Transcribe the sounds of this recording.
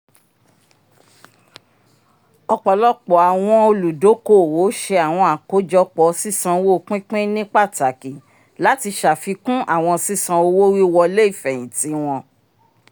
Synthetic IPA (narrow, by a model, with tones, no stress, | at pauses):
ɔ˧k͡pɔ˨lɔ˦k͡pɔ˨a˨w̃ɔ̃˧o˧lu˨do˨˦ko˦˨wo˨˦ʃe˧a˨w̃ɔ̃˧a˨ko˨˦d͡ʒɔ˧k͡pɔ˨si˦sã˧wo˦˧˦k͡pĩ˦k͡pẽ˦nĩ˦k͡pa˦˨ta˨ki˨ | la˨˦ti˧ʃa˨fi˧kũ˦ʔa˦˨w̃ɔ̃˧si˦sã˧o˧wo˦wi˦wɔ˧le˦i˦˨fɛ˨j̃ĩ˨ti˨˦w̃ɔ̃˧